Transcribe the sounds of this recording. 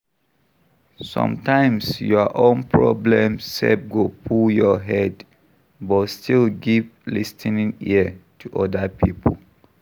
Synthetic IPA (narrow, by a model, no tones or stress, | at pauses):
sɔ̰̃mtãɪ̃msjɔʔõnpʰɹɔ̰blɛ̃mssɛ̰pɡopʰuljɔɦɛd | bɔstʰilɡivlistʰinĩŋḭətʰuʔɔdəpʰipʰəl